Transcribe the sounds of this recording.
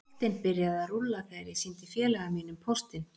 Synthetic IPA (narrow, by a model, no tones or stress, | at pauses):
t̪ɪnpɪɾjaðarulːakajɾɪsint̪ɪfjɛːlɛɣamiːnʏmpʰost̪ɪn